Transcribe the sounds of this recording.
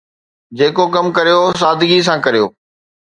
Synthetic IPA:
d͡ʑeːkokɐmkɐɾijos̬aːd̪ʱɪɡis̬ãkɐɾijo̰ː

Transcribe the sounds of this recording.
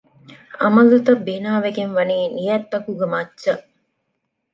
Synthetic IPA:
ɐmɐlut̪ɐbenaːʋekenʋɐniːnijɛt̪ːɐkuɡəmɐt͡ʃʃːə

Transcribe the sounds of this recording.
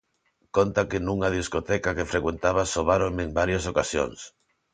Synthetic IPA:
kont̪akɪnuŋaðiskot̪ɛkakefɾekwent̪aβ̞asoβaɾomeŋbaɾjasokasjo̰ŋs

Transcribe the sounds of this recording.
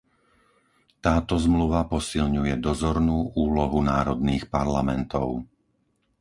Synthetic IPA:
t̪aːt̪ɔzmluʋapɔsilɲujɛd̪ɔzɔɾnuːʔuːlɔɦunaːɾɔd̪niːxpaɾlamɛnt̪ɔ̰ʊ

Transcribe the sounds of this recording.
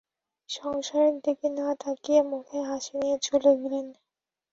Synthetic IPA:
ʃɔŋʃaɾik̚d̪ikinat̪ʰakiemukʰeɦaʃenijet͡ɕuleɡelen

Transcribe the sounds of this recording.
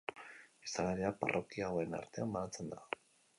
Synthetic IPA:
isalaɾeapa̰rʔo̞kiaoe̞na̰ɾt̪e̞amːanat͡se̞nd̪a

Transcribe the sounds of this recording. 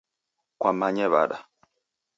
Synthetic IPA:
kwamaɲɛβa̰ɗa

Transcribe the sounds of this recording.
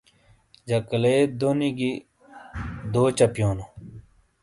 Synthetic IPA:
d͡ʑɐkleːd̪oniɡi | d̪oːt͡ɕɐpjoːno

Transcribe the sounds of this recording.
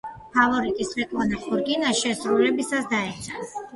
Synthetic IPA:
pʰavɔɾit̪ʼisɾɛkʼvlˠanaχuɾɡinaʃɛsɾulɛbisasd̪aɛt̪sʰa

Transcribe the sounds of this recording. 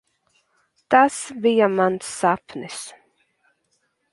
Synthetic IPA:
t̪asvijamant̪sapnɪs

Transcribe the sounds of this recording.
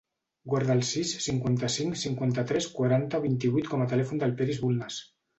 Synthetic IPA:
ɡwaɾðalˠsisːiŋkwant̪asiŋksiŋkwant̪at̪ɾeskwaɾant̪aoβint̪iβuit̪komat̪əlɛfund̪əlpɛɾizβulnas

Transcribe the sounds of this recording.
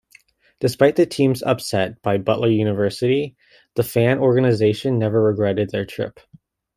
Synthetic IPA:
d̥ɨspaɪt̪̚ðɨtʰĩmzʌ̰psɛt̚b̥aɪbʌ̰ʔlə˞jʉnɨvɜ˞sɨɾi | ðəfæ̃nʔɔɹɡɨnɨzeɪʃɨ̃nːɛvə˞ɹɨɡɹɛɾɨd̪̚ðə˞tʰɹ̥ɪ̰p

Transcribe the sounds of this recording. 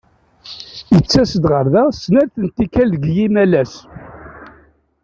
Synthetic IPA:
jət͡sːæsəd̪ʁəɾðæsnæɾθənt̪ːikælðəɡjimælæs

